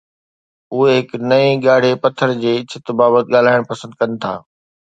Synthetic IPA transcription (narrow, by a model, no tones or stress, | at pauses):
ʊɦeɦɪknɐiɠaːɽ̤epɐt̪ʰːəɾd͡ʑeːɪt͡ɕʰɪt̪baːbət̪̚ɠaːl̤aːɪɽ̃pɐsə̃nd̪̚kɐnɪ̆t̪ʰa̰ː